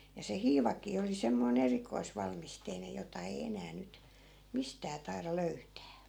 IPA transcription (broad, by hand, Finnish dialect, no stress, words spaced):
jɑ se hiːʋɑkˑiː oli semːoin erikoisʋɑlmisteinej̆ jotɑ ei enæː nyt mistæː tɑi̯rɑ løytæː